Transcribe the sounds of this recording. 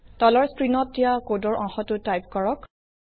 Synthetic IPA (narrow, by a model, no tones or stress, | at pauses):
tɔlɔɹskɹinɔt̚ːijakodɔɹʔɔ̃ŋxɔtʊtajp̚kɔɹɔk